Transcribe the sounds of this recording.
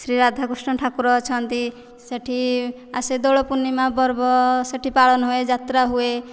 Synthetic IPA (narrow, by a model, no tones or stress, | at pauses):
sɾiɾad̪ʱaɡusʈʌʈʰakuɾɔt͡ʃʰʌnt̪i | səʈʰi | ased̪oɭɔpunːimabʌɾbɔsəʈʰipalʌnɦued͡ʒat̪ɾaɦue